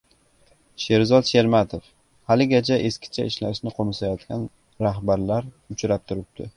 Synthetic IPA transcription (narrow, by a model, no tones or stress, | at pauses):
ʃe̞ɾzɒt̪ʃe̞ɾmat̪ʰof | halɪɡʲat͡ʃʰaʔeskʲɪ̥t͡ʃʰaɪʃlaʃnɪqʰomɪsajɒt̪kʲan | ɾaɦbaɾlaɾ | ʊt͡ʃʰɾap̚t̪ʰʊɾɪp̚d̪̥ʰɪ